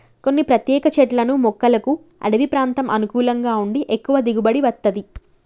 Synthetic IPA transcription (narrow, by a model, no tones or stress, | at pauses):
ko̞nːipɾɐt̪jɛːkɐt͡ʃɛʈlɐnumɔkːɐlɐku | ɐ̰ɽɐʋipɾaːnt̪ɐmʔɐnukuːlɐŋɡaːuɳɖiʔekːuʋɐd̪iɡubɐɽiʋɐt̪ːɐd̪i